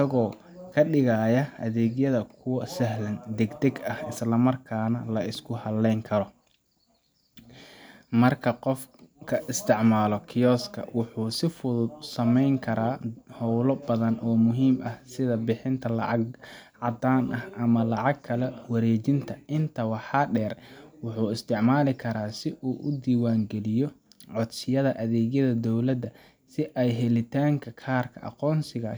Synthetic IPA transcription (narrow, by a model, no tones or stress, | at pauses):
ɐɣɔː | kʰɐɖɪɣaːjɐɐðɛːɡjɐðɐkʰʊwɐsɐɦlɐnd̪ɛɡd̪ɛɡɐhɪslɐmɐrkʰaːnɐlɐʔɪskʰʊhɐlɛjŋkʰɐɾɔ | mɐrkʰɐqɔfkʰɐʔɪst̪ʰɪʕmaːlɔkʰɪjɔːskʰɐ̰wʊħuːsɪfʊðʊd̪sɐmɛjŋkʰɐɾaːhɔwlɐbɐðɐnʔɔːmʊɦiːmʔɐhsɪðɐbɪħɪnt̪ʰɐlɑ̰ʕɑɡʕɑd̪aːnʔɐhɐmɐlɑʕɑɡ̚kʰːɐlɛwɐɾɛːt͡ʃɪnt̪ʰɐɪnt̪ʰɐwɑħɑːɖɛːrwʊħuːɪst̪ʰɪʕmaːlɪkʰɐɾaːsɪʔuːʔʊd̪iːwaːŋɡɛlɪjɔʕɔd̪sɪjɐðɐʔɐðɛːɣjɐðɐd̪ɔwlɐd̪ɐ | sɪʔɛjɦɛlɪt̪ʰaːŋkʰɐkʰaːrkʰɐʔɑ̰qɔːnsɪɣɐ